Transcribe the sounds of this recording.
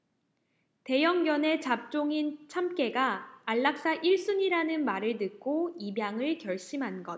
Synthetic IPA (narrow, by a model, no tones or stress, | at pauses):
te̞jʌŋɡjʌne̞t͡ɕap̚t͡ɕ͈oŋint͡ɕʰamk͈e̞ɡaːɭːak̚s͈aʔiɭs͈uɲiɾanɯnmaɾɯɭnɯk̚k͈oibjaŋɯɭkjʌɭɕ͈imɦanɡʌt̚